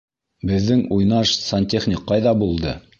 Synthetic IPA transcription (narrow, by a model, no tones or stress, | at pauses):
bɘ̆ðːɘŋujnɑʃsɐnʲt̪ʲeχnʲɪqːɑjðɑbulˠd̪ɤ